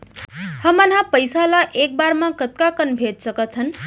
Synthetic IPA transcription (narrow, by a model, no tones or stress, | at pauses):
həmʌnɦapəjsalaʔek̚baɾmakət̪̚kakənbʱet̪̚sʌkʌt̪ʰən